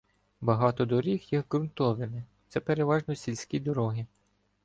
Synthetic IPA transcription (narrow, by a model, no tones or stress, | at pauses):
bɐɦɑt̪ɔd̪ɔɾʲixjixɡɾʊnt̪ɔʋɪmɪt̪sɛpeɾeʋɑʒnɔsʲilʲsʲkʲid̪ɔɾɔɦɪ